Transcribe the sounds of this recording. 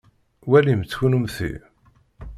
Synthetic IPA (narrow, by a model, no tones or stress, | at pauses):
wælimt͡sːçunumθḭ